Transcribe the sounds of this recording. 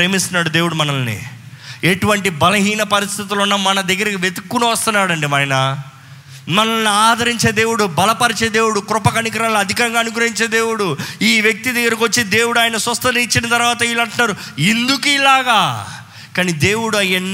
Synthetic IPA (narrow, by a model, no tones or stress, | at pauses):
ɾeːmist̪unaːɽud̪eːwuɽumɐnɐlnḭeʈuʋɐɳʈibɐlɐɦiːnɐpɐɾist̪ʰit̪̬ulunːɐmmɐnɐd̪ɐɡːɐɾɐkiʋet̪ukːunɐʋɐst̪unːaːɽɐɳɖimaːjnɐ | mɐnɐlniaːd̪ɐɾiɲt͡ʃe̞ːd̪e̞ːwuɽubɐlɐpɐɾit͡ʃeːd̪e̞ːwuɽukɾʊpɐkɐnikɾaːlniɐd̪ʱikɐŋɡaːnuɡɾɐɦiɲt͡ʃe̞ːd̪eːwuɽuiːʋjek̚t̪id̪ɐɡːɐɾɐkiʋot͡ʃːeːd̪e̞ːwuɽuaːjɐnɐsɾɐst̪ɐɐit͡ʃːinɐt̪ɐɾʋaːt̪ɐilɐɳʈunːaːɾu | ind̪ukiːlaːɡaː | kaːniːd̪e̞ːwuɽuɐjenː